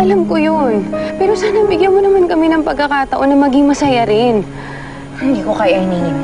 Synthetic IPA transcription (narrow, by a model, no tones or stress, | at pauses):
ʔɐlamkojonpɛːɾo̞saːnɐbɪɡjɐnmonɐmankɐmɛnɐŋpɐɡ̚kːɐkaːt̪ɐʔo̞nːɐmɐɡɪŋmɐsɐjɐɾɪn | hɪnd̪iːkokɐjahɪniːnɪm